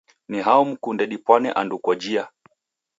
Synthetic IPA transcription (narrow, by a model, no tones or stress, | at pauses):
niɦaum̩kundɛɗipwanɛ̰ʔandukwad͡ʒia